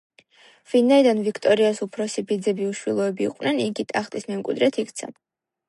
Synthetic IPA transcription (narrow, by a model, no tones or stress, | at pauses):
vinaid̪anvikʰt̪ʼɔɾiasupʰɾɔsibid̪zɛbiuʃwilˠɔɛbḭːqʼwnɛniɡit̪ʼaχt̪ʼismɛmkʼwḭd̪ɾɛt̪ʰikʰt̪sʰa̰n